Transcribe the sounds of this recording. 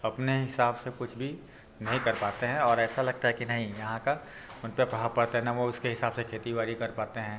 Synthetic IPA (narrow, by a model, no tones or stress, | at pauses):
ɐpneɦɪsaːbsekʊt͡ʃʰbʱi | nɐɦĩkɐɾpaːt̪eɦɛ̃ɔːɾɛːsalɐɡ̚t̪aɦɛkinɐɦĩjɐɦãka | ʊnpepɾɐɦaːpɐɽt̪eɦɛ̃naʋoʊskeɦɪsaːbsekʰeːt̪iʋaːɾikɐɾpaːt̪eɦɛ̃ː